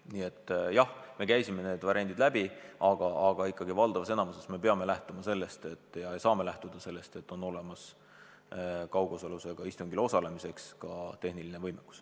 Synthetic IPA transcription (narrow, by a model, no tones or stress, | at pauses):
niːet̪ːˑjɑhme̞kæjsime̞ne̞ːd̪vɑɾʲiʔɑnd̪id̪̥læbiʔɑɡ̥ɑɑɡ̥ɑikːɑɡivɑld̪̥ɑvɑse̞nɑmusesme̞pe̞ɑme̞læht̪umɑse̞lːe̞st̪e̞t̪ːˑjɑejsɑːme̞læht̪ud̪̥ɑse̞lːe̞st̪e̞t̪ːˑo̞no̞le̞mɑs | kɑwɡosoluseɡ̥ɑist̪uŋɡilo̞sɑle̞mise̞kskɑt̪e̞hnilinevɤjmekːu̥s